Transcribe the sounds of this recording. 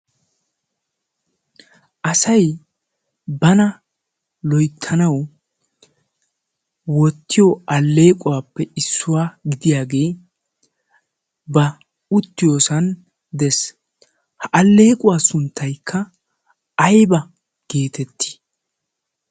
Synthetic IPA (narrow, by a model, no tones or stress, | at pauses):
ʔɐsɐj | bɐnɐ | lɔjt̪ʰːɐnɐw | wɔt̪ːɪjɔʔɐlːe̞ːkʼʊwaːpːɛɪsːʊwaːɡɪd̪ɪjaːɡe̞ː | bɐ | ʊt̪ːɪjo̞ːsɐn | d̪ɛs | hɐʔɐlːe̞ːkʼʊwaːsʊnt̪ːɐjkʰːɐ | ɐjbɐ | ɡ̥e̞ːt̪ɛt̪ːɪ̥